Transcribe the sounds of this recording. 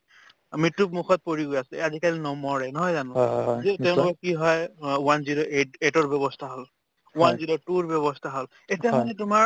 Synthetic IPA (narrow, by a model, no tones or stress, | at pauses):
mɹitːup̚mukʰɔt̚poɹiɡojasɛazikalinɔmɔɹɛnɔɦɔjzanʊ̃zɛtɛʊ̃kɔkiɦɔjwanziɾoʔetetɔɹbjɔbɔstʰaɦɔl | wanziɾotuɹbjɔβɔst̪ʰaɦɔl | etiamanɛtʊmaɹ